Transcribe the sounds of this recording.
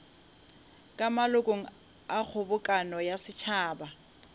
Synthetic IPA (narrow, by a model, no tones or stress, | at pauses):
kʼamalʊkʼoŋ̩ | ak͡xʰʊbʊkʼanɔjasɪt͡ʃʰaːba